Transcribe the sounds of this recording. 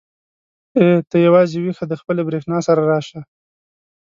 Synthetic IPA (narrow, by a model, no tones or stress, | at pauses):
et̪əjawɑzewixad̪əxpəlebɾexnɑsaɾaɾɑʃa